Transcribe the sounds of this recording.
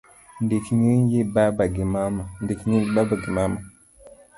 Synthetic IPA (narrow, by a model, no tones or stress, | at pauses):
ndekiɲenjebabaɡimamandekiɲejibabaɡimama